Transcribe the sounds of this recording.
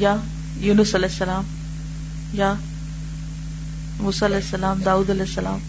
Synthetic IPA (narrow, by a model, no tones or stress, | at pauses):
ja | juːnʊsɐlɛsːɐlaːm | ja | muːsaːɐlɛɪsːɐlaːmd̪aːuːd̪ɐlɛsːɐla̰ːm